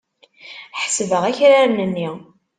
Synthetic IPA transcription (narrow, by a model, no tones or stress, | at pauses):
ħəsvəʁæçɾaɾnənːi